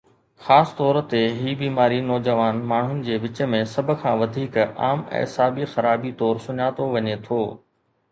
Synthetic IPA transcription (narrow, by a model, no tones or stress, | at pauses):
xaːst̪ɔːɾt̪eɦiːbiːmaːɾinɔːd͡ʑəʋaːnmaːɳ̤ʊnɪ̆d͡ʑeːʋɪt͡ɕə̆mẽsɐbʱkʰãːʋɐd̪ʱiːka̰ːmɛ̰̃ːsaːbixɐɾaːbit̪ɔːɾsʊɲaːt̪oʋɐɲet̪ʰoː